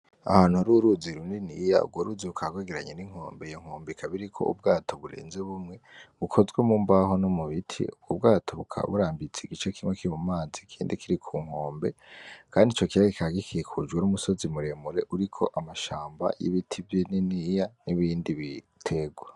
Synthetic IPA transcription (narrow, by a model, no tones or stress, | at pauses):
a̰haːn̥huaɾuɾuziɾuninija̰ṵɡwoɾuːziβukʰaɡweɡiɾaɲeniŋ̥ho̞̰ːmbeijoŋ̥oːmbikʰaβiɾikʰo̞̰ṵb̚ɡaːtʰo̞βuɾḛːnzeβumŋe̞βukʰo̞zɡwemuːmbaɦo̞nomuβitʰḭub̚ɡob̚ɡaːtʰoβukʰa̰β̰βuɾaːmbit͡seiɡit͡ʃekʰimŋekiɾimumaːzikʰiːndikiɾikʰuːŋ̥hoːmbe̞̰kʰaːndit͡ʃo̞kiβaɡikʰaɡikʰiekʰud͡ʒɡwenumuso̞zimuɾemuɾe̞ʔuɾikʰo̞ʔamaʃaːmba̰jḭβitʰivjininijaniβiːndiβi | tʰe̞ɡwa